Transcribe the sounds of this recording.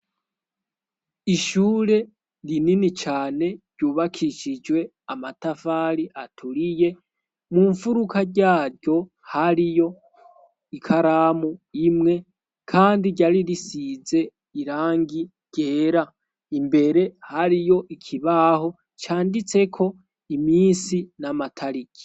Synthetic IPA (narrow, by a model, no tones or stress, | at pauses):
iʃuːɾe̞ | ɾininit͡ʃaːne̞ɾɟuːβakʰiʃid͡ʒwe̞ | amatafaɾiʔatʰuɾije̞ | muɱfuɾukʰaɟaːɾɟo̞ | haɾijo̞ | ikʰaɾaːmuimŋe̞ | kʰaːndiɟaɾiɾisize̞ | iɾaːŋɡi | ɟ̥e̞ːɾa | imbe̞ɾe̞haɾijo̞ʔikʰiβaːho̞ | t͡ʃaːndit͡se̞kʰo̞ | imiːnsinamatʰaɾikʰi̥